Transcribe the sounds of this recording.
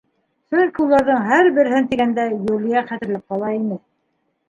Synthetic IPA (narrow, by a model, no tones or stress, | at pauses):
sɵlʲkulˠːɑɾðɤɴɦæɾbɘ̆ɾɘ̆ɦɘnt̪iɡænd̪æjulijæχæt̪ɘ̆ɾlæp̚qɑlˠɑimɘ